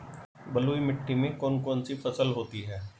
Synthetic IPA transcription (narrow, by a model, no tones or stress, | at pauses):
bɐluːimɪʈːimẽkɔːnkɔːnsifʰɐsəlɦoːt̪iɦɛː